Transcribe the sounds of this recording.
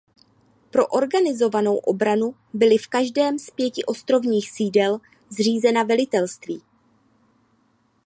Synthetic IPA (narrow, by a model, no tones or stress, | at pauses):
pɾo̞ʔo̞ɾɡanɪzo̞vano̞wʔo̞bɾanu | bɪlɪfkaʒdɛːmspjɛcɪʔo̞st̪ɾo̞vɲiːxsiːdɛl | zr̝iːzɛnavɛlɪt̪ɛlst̪viː